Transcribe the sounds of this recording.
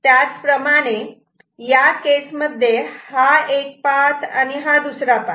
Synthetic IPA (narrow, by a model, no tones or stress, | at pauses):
t̪jat͡spɾəmaɽ̃e | jakesməd̪ʱːjehaek̚pat̪ʰa̰ñiɦad̪usɾapa